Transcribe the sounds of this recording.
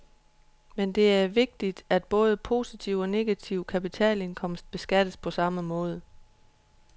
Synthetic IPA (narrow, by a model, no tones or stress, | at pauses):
mend̥e̝æɐʋe̝ɡ̥̚d̥id̥æd̥̚b̥ɔ̽ːð̞ˠəpʰo̝ːsit͡sʰiʊ̰ɒ̽ne̝ɡ̥æt͡sʰiʊkʰæpit͡sʰɛ̰ːle̝nkʰɒ̽m̰sd̥̚b̥e̝sɡ̥æd̥əspʰɒ̽sɑ̈məmɔ̽ːð̞ˠə